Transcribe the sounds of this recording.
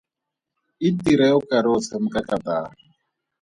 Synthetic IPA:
itiɾɛɔkʼaɾɔt͡sʰam̩kʼakʼat̪aː

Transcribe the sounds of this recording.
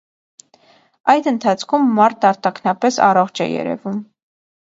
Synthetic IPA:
ɑjd̪ənt̪ʰɑt͡sʰkʰumːɑɾt̪ʰɑɾt̪ɑkʰnɑpɛsɑ̰rɔχt͡ʃʰɛ̰jɛ̰ɾɛ̰vum

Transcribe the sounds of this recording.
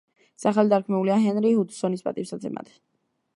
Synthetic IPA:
saχalid̪aɾkʰmɛuliaɦɛnɾihud̪sɔnispʼa̰t̪ʼipsad̪zɛ̰mʔa̰t̪ʰ

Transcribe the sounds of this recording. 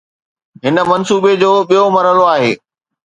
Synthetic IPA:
ɦɪnə̆mɐnsuːbed͡ʑoːɓijomɐɾəloaːɦeː

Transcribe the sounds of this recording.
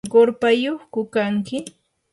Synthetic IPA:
ɢoɾpajoχkʊkaŋkɪ

